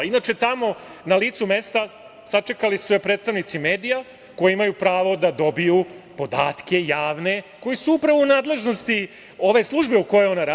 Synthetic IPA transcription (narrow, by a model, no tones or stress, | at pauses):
inaːt͡ʃet̪amo̞naliːt̪sume̞st̪a | sat͡ʂe̞kalisujepɾe̞ːt̪st̪aʋnit̪sime̞ːd̪ija | ko̞jiimajupɾaːʋo̞d̪ad̪o̞bijupo̞d̪aːt̪ke̞jaːʋne̞ko̞jisuupɾaʋounaːd̪le̞ʒno̞st̪i | o̞ʋe̞slˠuʒbeuko̞jeo̞naɾa